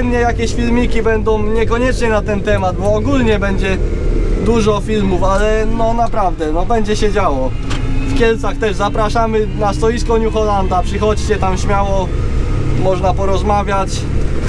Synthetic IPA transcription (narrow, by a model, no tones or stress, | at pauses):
mɲɛjakʲeɕfʲilmʲikʲibɛnd̪ɔ̃w̃ɲɛkɔɲɛt͡ʂɲɛnat̪ɛnt̪ɛmad̪̚bɔːɡulɲɛbɛɲd͡ʑɛ | d̪uʐɔfʲilmufalɛnɔnapɾavd̪ɛnɔbɛɲd͡ʑɛɕɛd͡ʑawɔ | fkʲjɛlt̪saxt̪ɛʐzapɾaʂamɘnast̪ɔjiskɔɲuxɔland̪apʂɘxɔt͡ɕt͡ɕɛt̪amɕmʲjawɔ | mɔʐnapɔɾɔzmavʲjat͡ɕ